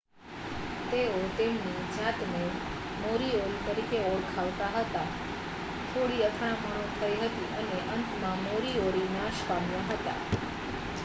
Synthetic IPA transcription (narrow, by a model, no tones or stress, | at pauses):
t̪eot̪emnid͡ʒat̪ne | moɾioɾit̪əɾikeoɽkʰaʋt̪aɦət̪a | t̪ʰoɽiət̪ʰaɽ̃bʱəɽ̃õt̪ʰəiɦət̪iʔəneʔənt̪mãmoɾioɾinaʃpamjaɦət̪a̰